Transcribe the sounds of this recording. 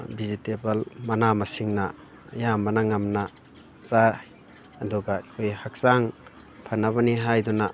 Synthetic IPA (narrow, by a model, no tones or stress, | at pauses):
bizitebɐlmɐnamɐsiŋnɐ̰ː | jambɐnɐŋamnɐ | sa | ɐduɡaikʰojhak̚saŋ | pʰɐnːɐβɐniɦajdɔnɐ